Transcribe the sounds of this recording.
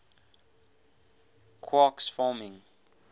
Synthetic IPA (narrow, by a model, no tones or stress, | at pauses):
kʰwɔksfɔmɪ̃ŋ